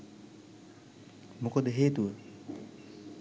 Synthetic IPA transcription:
mokod̪əɦeːt̪uə

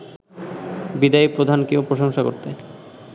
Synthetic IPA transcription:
bid̪aipɾod̪ʱankeopɾoʃoŋʃako̰ɾt̪e

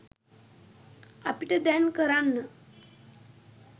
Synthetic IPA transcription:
a̰piʈəd̪ɛnkəɾanːə

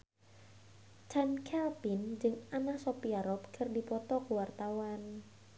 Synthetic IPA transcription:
t͡ʃankʰɛlpɪnd͡ʒɨŋanahsopiaɾɔp̚kʰərdipɔt̪ɔkuwart̪awan

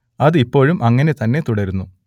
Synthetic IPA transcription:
ɐðɨipːo̞ːɻumʔɐŋːɐne̞t̪ɐnːe̞t̪uɽɐɾunːu

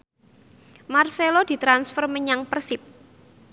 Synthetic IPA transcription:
marselod̥i̤t̪ɾansfərməɲaŋpərsɪp̚

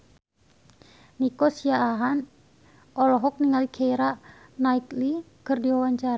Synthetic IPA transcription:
nikɔsiaːɦan | ɔlɔɦɔk̚niŋalikʰeiɾanaik̪li | kɨrdiwawaɲt͡ʃaɾa

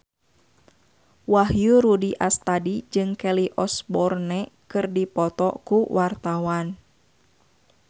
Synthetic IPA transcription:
wahjuɾudiʔast̪adid͡ʒɨŋkɛliʔɔsbɔrnɛkɨrdipɔt̪ɔkuwʔart̪awan

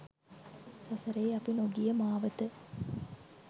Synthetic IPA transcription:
sɐsɐɾɐjɐpinoɡijɐmaːʋɐt̪ɨ

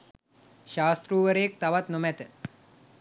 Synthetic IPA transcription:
ʃaːst̪ɾuːʋəɾeːk̚t̪ɐʋɐt̪numɛt̪

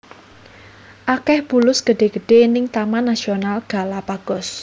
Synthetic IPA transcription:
ʔakɛhb̥ulʊsɡ̥əɖ̥e̤ɡ̥ə̤ɖ̥e̤nɪŋt̪amanːasionalɡ̥a̤lapaɡ̥ɔ̤s

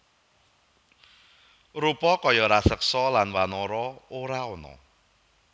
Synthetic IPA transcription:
rupɔkɔjɔɾasək̚sɔlanwanɔɾɔoɾaɔnɔ̰

